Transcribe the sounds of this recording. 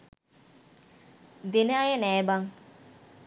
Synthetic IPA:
d̪enaːjenɛːbaŋ

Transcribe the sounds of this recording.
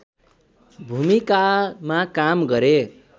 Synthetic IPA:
bʱumikamakamɡʌɾe

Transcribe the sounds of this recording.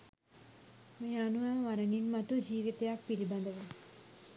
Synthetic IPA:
mɐjaːnuʋaʋɐɾɐninmɐt̪ud͡ʒiːʋit̪ɐjak̚piɾibɐ̃nd̪ɐʋɐ

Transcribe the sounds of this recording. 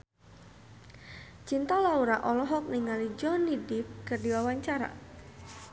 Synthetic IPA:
t͡ʃint̪alauɾaʔɔlɔɦɔk̚niŋalid͡ʒɔnidɪp̚kɨrdiwawaɲt͡ʃaɾa̰

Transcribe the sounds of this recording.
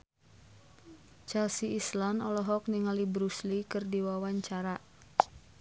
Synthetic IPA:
t͡ʃɛlsiislanɔlɔɦɔk̚niŋalibɾuslikɨrdiwawaɲt͡ʃaɾa

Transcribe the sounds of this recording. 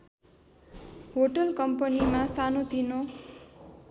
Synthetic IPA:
ɦoʈʌlkʌmpʌnimasanot̪ino

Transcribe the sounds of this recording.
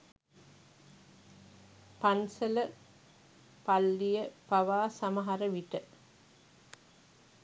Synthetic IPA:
pansələ | palːijəpaʋaːsamɐɦaɾəʋiʈə

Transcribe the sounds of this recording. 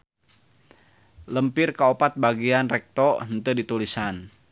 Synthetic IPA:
ləmpɪrkəopat̪̚baɡianrɛk̚t̪ɔɦənt̪udit̪ulisan

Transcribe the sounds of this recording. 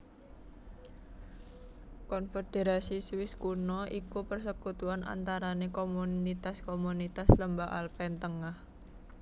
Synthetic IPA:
kɔnfed̪̥eɾasiswɪskunɔʔikupərsəkut̪uana̰nt̪aɾanekomunit̪askomunit̪asləmbaʔalpɛnt̪əŋah

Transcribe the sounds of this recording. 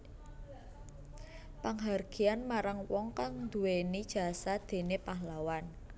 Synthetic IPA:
paŋɦarɡ̥i̤anmaɾaŋwɔŋkaŋnd̪ṳwenid̥ʒ̥a̤sad̪̥e̤nepaɦlawan

